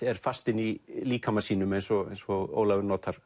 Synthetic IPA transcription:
ɛɾ̥fast̪ɪnːiliːkʰamasiːnʏmejnsɔḛjnsɔo̰ːwlavʏɾnɔːt̪aɾ̥

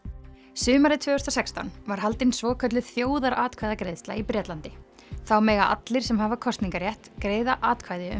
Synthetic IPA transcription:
sʏːmaɾɪt̪ʰvœːhʏ̥st̪ɔsɛkst̪awnvaɾ̥ɦalt̪ɪnsvɔːkʰœt̪lʏθjoːwðaɾaːt̪̚kʰvajðakɾejst̪laipɾɛt̪lant̪ɪ | θawmɛːɣaʔa̰t̪lɪɾ̥sɛmɦaːvakʰɔst̪niŋkaɾjɛht̪kɾeːjðaʔaːt̪kʰvajðɪʏ̰

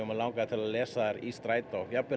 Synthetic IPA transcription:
ʏmalaːwŋkat̪ʰɪlaðlɛːsaðaɾist̪ɾaːjt̪aɔjapːɪ

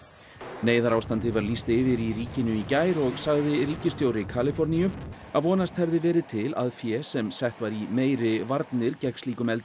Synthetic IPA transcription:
neːjðaɾaːwst̪ant̪ɪvaɾliːst̪ɪːvɪɾiriːcɪnʏicaːjɾɔɣsaɣðɪɾiːcɪst̪joːwɾɪkʰaːlɪfɔɾnijʏ | aðvɔːnast̪hɛvðɪvɛːɾɪt̪ʰɪla̰ðfjɛsɛmsɛht̪vaɾimeːjɾɪvaɾt̪nɪɾcɛksliːkʏmɛlt̪

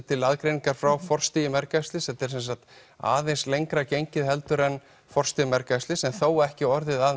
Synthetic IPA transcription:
t̪ʰɪlaðkɾejniŋkaɾ̥fɾawfɔr̥st̪ijɪmɛɾkast̪lɪsɛt̪ːɛɾ̥sɛnsakt̪ | a̰ːðejnslejŋkɾacejɲcɪðɦɛlt̪ʏɾɛn | fɔr̥st̪ijɪmɛɾkast̪ɪsɛnθowɛhcɪɔɾðɪða

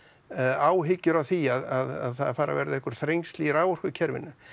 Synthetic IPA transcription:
aːwɦɪcːʏɾawθiaðaðaðθaðfaːɾʔa̰vɛ̰ɾðɪɛhkʏɾ̥θɾejŋst̪liɾaːwɔr̥kʏcʰɛɾvɪ̰nːʏ

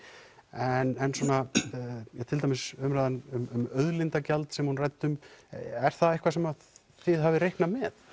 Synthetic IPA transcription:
ɛnːɛnsɔːna | jɛt̪ʰɪlt̪amɪsʏmɾajðanʏmʏmœðlɪnt̪acalt̪sɛmhunrajt̪ːʏmɛɾ̥θaðehkvasɛma | θɪðɦavɪɾejhknamɛð

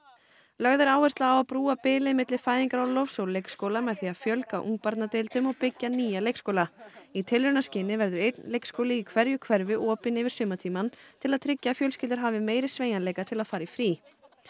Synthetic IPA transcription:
lœɣðɪɾaːwɛst̪laːwapɾuːapɪːlɪðmɪt̪lɪfaːjðiŋkaɾawlɔfsowlejkskowlamɛðθiafjœlkaʔṵŋk̚paɾt̪nat̪ɪlt̪ʏmɔɣpɪcːaniːjalejkskowlait̪ʰɪlɾʏnascɪnːɪvɛɾðʏɾejt̪nlejkskowlɪikʰvɛɾjʏkʰvɛɾvɪʔɔːpɪnɪvɪɾ̥sʏːmat̪ʰiːmant̪ʰɪlaðt̪ʰɾɪcːafjœlscɪlt̪ɪɾ̥ɦaːvɪmeːjɾɪsveːjanɛjkat̪ʰɪlaðfaːɾaifɾiː

